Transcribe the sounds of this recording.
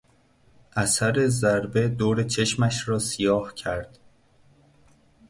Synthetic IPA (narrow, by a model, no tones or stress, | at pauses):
ʔæsæɾe̞zæɾbe̞d̪oːɾe̞t͡ʃʰe̞ʃmæʃɾɒːsijɒːhcʰæɾd̪̥